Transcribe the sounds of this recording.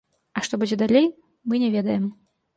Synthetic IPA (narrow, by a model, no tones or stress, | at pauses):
ɐʂt̪ɔbud͡zʲɛd̪alʲej | mɨnʲɛvʲɛd̪ɐjɛm